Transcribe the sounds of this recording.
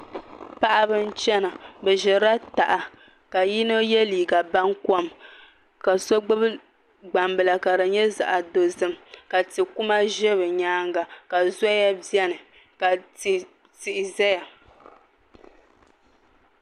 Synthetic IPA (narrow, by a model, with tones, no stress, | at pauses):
pa˦ʔa˦βɨ˦n̩˦t͡ʃɛ˦na˨bɛ˨ʒɛ˨ɾa˦ta˨ʔa˨ | ka˨ji˦no˦jɛ˦liː˨ɡa˨ba˦ŋkɔ˦m | ka˨so˦ɡ͡bɨ˦b | ɡ͡ba˨mbɨ˨la˨ka˨ɾɨ˨ɲɛ˦za̰˨ʔa˨do˨zɨ˦mka˨tɨ˨ku˦ma˦ʒɛ˦bɨ˨ɲaː˦ŋɡa˨ka˨zɔ˦ja˦bi˦ɛ˦nɨ˨ | ka˨ti˨ | ti˨ʔɪ˨zɛ˦ja˨